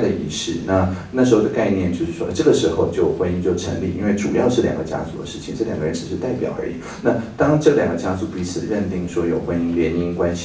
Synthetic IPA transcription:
d̪ə˩ḭ˧˩ʂɻ̩˥˩na˥˧˩na˥˩ʂ̬̩˧˥xo˥˩ʊd̪ə˩ka˥˧ɪnjɛ˥˧nt͡ɕjo˥˧ʊʂɻ̩˥˩wɔ̰˥˧ʈ͡ʂɤ˥˩ɡə˩ʂɻ̩˧˥xo˥˧ʊt͡ɕjo˥˩ʊxwa˧˥ni˧˥ŋt͡ɕjo˥˩ʊʈ͡ʂʰə̰˧˥ŋlḭ˥˩˨i˥nwe˥˩ɪʈ͡ʂu˨˩jɑ˥˧ʊʂɻ̩˥˩ljɑ̰˨˩ŋɡə˦t͡ɕja̰˥t͡su˧˥d̪ə̰˦ʂɻ̩˥˩t͡ɕʰi˨˩ŋʈ͡ʂɤ˥˩ljɑ̰˨˩ɡə˦˧ɻə˧˥nʈ͡ʂɻ̩˨˩ʂɻ̩˥˧t̪a˥˩ɪpjɑ˨˩ʊə̰˞˧˥ḭ˨˦ | na˥˧˩t̪ɑ˥ŋʈ͡ʂɤ˥˩ljɑ˨˩ŋɡə˦t͡ɕja˥t͡su˨˧˥pi˧˥t͡sʰɹ̩˨˩ɻə˥˧nt̪i˥˩ŋʂwɔ˥jo˨˩ʊxwa˥ni˧˥ŋljɛ˧˥ni˥ŋkwa˥nɕ

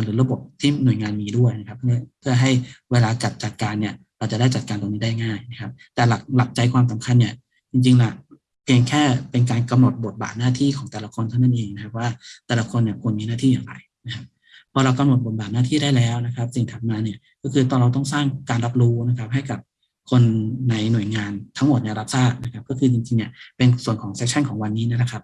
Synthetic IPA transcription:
nɾɯː˩˦ɾa˧bo˨˩p̚t̪ʰiː˥˩nu˨˩əjŋaː˧nmiː˧du˥˩əjna˦kʰa˦˥pʰːɯ˥˩ɐpʰɯ˥˩ɐɦa˥˩jweː˧laː˧ka˨˩t̪̚t͡ɕa˨˩t̪̚kaː˧nːi˥˩ɐ | ɾa˧wt͡ɕa˨˩daː˥˩jt͡ɕa˨˩t̪̚kaː˧nt̪o˧niː˦˥daː˥˩jŋaː˥˩jna˦˥kʰa˦˥p̚t̪ɛː˨˩la˨˩k̚la˨˩k̚t͡ɕa˧jkʰwaː˧msa˨˩˦mkʰa˧nːi˥˩ | t͡ɕi˧ŋt͡ɕi˧ŋlɛ˧˩ | pʰi˧əŋkʰɛː˥˩pe˧nk̬aː˧nka˧mno˨˩t̪̚bo˨˩t̪̚ba̰ː˨˩t̪̚naː˥˩t̪ʰiː˥˩kʰɔː˩˦ŋt̪ɛː˨˩la˧kʰo˧nt̪ʰa˥˩na˥˩nʔeː˧ŋna˦˥kʰa˦˧˥p̚waː˥˩t̪ɛː˨˩la˧kʰo˧nːi˥˩ɐkʰu˧ənmiː˧naː˥˩t̪ʰiː˥˩jaː˨˩ŋɾa̰˧jna˦˥kʰa˦˥p̚ | pʰːɔː˧ɾa˧wka˧mno˨˩t̪̚bo˨˩t̪̚baː˨˩t̪̚naː˥˩t̪ʰiː˥˩daː˥˩jlɛː˦˥wna˦˥kʰp̚si˨˩ŋt̪ʰa˨˩t̪̚maː˧ni˥˩ɐ | kɔː˥˩kʰɯː˧t̪ɔː˧˩nɾa˧wt̪ɔ˥˩ŋsaː˥˩ŋkaː˧nɾa˦˥p̚ɾuː˦˥na˦˥kʰa˦˥p̚ɦa˥˩jka˨˩p̚ | kʰo˧nːa˧jnu˨˩əjŋaː˧nt̪ʰa˦˥ŋmo˨˩t̪̚ni˥˩ɾa˦˥p̚saː˥˩k̚na˦˥kʰa˦˥p̚kɔː˥˩kʰɯː˧t͡ɕi˧ŋt͡ɕi˧ŋni˧˩ɐpe˧nsu˨˩ənkʰɔː˩˦ŋsɛ˦˥k̚t͡ɕʰa˥˩nkʰɔː˩˦ŋwa˧nːiː˦˥n˦˥˩la˧˩kʰa˦˥p̚

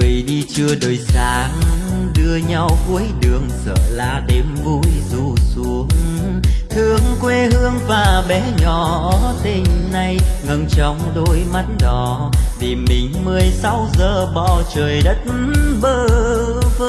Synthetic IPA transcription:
vḭ˨˩˨ɗi˧t͡ɕɨ˧əɗoː˨˩jsaː˨˧˦ŋɗɨ˧əɲa˧wku˨˦əjɗɨ˨˩əŋsə̰ː˧˨la̰ː˧˩ɗe˨˧˩mvu˧˩jzu˧˩su˨˧˦əŋ | t̪ʰɨ˧˩əŋkwe˧˩hɨ˧əŋvaː˨˩ɓɛ˨˧˦ɲɔ˩˧˩t̪e˧˩nna˧jŋə˧˩nt͡ɕɔ˧˦wŋ͡mɗo˧˦jma˨˦˥t̚ɗɔ˨˦ | vi˨˩mï˨˩ŋ̟mɨ˨˩əjsa˧˦wzəː˨˩ɓɔ˧˩t͡ɕəː˨˩jɗə˦˥t̩̚˧ɓəː˧ | v

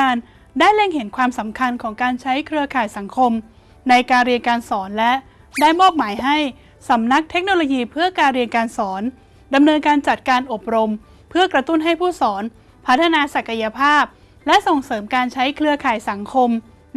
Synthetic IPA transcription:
aː˧n | daː˥˩jle˥˩ŋɦe˩˦nkʰwaː˧msa˩˦mkʰa˧nkʰɔː˩˦ŋkaː˧nt͡ɕʰa˦˥jkʰɾɯ˧ɐkʰaː˨˩jsa˩˦ŋkʰo˧m | na˧jkaː˧nɾi˧ənkaː˧nsɔː˩˦nlɛ˦˥ | daː˥˩jmɔː˥˩p̚maː˩˦jɦa˥˩j | sa˩˦mna˦˥k̚t̪ʰe˦˥k̚noː˧loː˧jiː˧pʰɯ˥˩ɐkaː˧nɾi˧ənkaː˧nsɔː˩˦n | da˧mnɤː˧nkaː˧nt͡ɕa˨˩t̪̚kaː˧nʔo˨˩p̚ɾo˧m | pʰɯ˥˩ɐkɾa˧t̪u˥˩nɦa˥˩jpʰuː˥˩sɔː˩˦n | pʰa˦˥t̪ʰːa˧naː˧sa˨˩ka˧ja˧pʰaː˥˩p̚ | lɛ˦˥ʔso˨˩ŋsɤː˩˦mkaː˧nt͡ɕʰa˦˥jkʰɾɯ˧ɐkʰaː˨˩jsa˩˦ŋkʰo˧m

